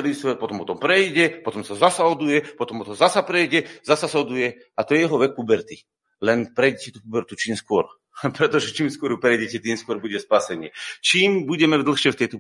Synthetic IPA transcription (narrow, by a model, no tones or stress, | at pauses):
lisʋɛt̪pɔt̪ɔmpɔt̪ɔmpɾɛjɟɛpɔt̪ɔmsazasaɔd̪ujɛpɔt̪ɔmpɔt̪ɔzasapɾɛjɟɛzasasaɔd̪ujɛ | at̪ɔjɛjɛɦɔʋɛkːubɛɾt̪i | lɛnpɾɛjɟɛcɛt̪ukubɛɾt̪ut͡ʃiːmskʊɔɾ | pɾɛt̪ɔʒɛt͡ʃiːmskʊɔɾjupɾɛjɟɛcɛt̪iːmskʊɔɾbuɟɛspasɛɲɪɛt͡ʃiːmbuɟɛmɛvd̪l̩xʃɛft̪ɛjt̪ɔ